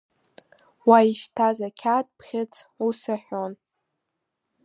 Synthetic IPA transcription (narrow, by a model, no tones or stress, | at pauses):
waiʃtʰazakʲʰat̚ʼpʰχʲɪt͡sʰusaħʷon